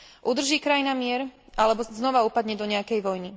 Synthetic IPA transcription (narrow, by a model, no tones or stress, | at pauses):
ʔud̪r̩ʒiːkɾainamɪɛɾʔalɛbɔznɔʋaupad̪ɲɛd̪ɔɲɛakɛjʋɔjni